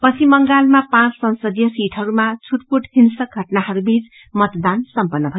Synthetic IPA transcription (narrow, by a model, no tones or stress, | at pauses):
pʌt͡sʰimʌŋɡalmapãt͡ssʌnsʌd̪jʌsiʈʰʌɾumat͡sʰuʈ̚puʈhinsʌɡʱʌʈnahʌɾubit͡s | mʌt̪d̪ansʌmpʌnːʌbʱʌjo